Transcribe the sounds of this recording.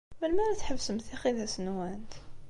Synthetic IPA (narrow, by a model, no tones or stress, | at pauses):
mənmæɾæt̪ħəbːsəmθixiðæsənwænt̪